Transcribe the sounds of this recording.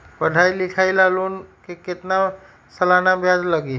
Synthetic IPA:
pəɖʱailɪkʰailaloːnkekɪt̪na | səlanabjad͡ʒləɡi

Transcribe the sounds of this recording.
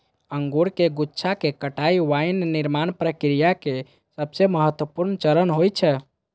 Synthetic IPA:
əŋɡuɾkeɡutːt͡ʃʰakekəʈaiʋajnːiɾmanpɾəkɾijake | səbseməɦət̪wəpuɾnt͡ʃəɾənɦojt͡ʃʰɛ

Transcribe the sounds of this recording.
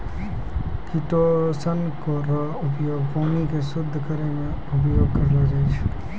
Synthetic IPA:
kiʈosənkoɾə | ʊpjoːɡpoːnikesʊd̪ʱːəkəɾemẽ | ʊp̬joːɡ̚kəɾd̪ad͡ʒat͡ʃʰɛ̥

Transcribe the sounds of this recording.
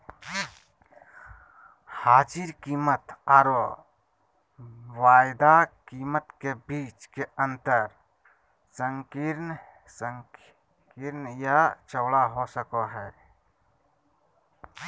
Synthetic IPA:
haːd͡ʒiɾkiːmət̪aːɾo | waːɪd̪akiːmət̪kebiːt͡ʃkeə̃nt̪əɾ | sə̃ŋkiɾn | səŋ | kiɾnjat͡ʃəwɽaɦosəkoɦɛː

